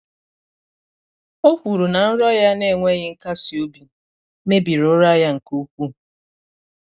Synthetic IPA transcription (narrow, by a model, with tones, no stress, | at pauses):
o˦kʷu˨ɾu˨na˨n̩˦ɾɔ˦ja˦ne˦˨ŋʷe˦ɣɪ˦ŋ̩˦ka˦si˨o˦bi˨ | ne˦bi˨ɾʊ˦ɾa˦ja˦ŋ̩˨ko˦kʷu˦